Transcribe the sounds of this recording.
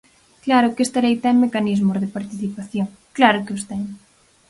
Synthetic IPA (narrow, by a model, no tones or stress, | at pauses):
klaɾʊkest̪aɾejt̪ɛmːekanizmʊzðɪpaɾt̪iθipaθjoŋ | klaɾʊkeost̪ɛŋ